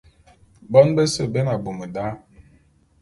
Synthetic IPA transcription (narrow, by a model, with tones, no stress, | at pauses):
bɔ˦nbə˦sə˨be˦na˨bu˨mə˨da˦